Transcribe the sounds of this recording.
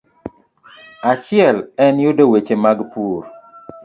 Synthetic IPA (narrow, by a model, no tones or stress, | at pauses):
at͡ʃɪɛlɛnjʊdowet͡ʃemaɡpuɾ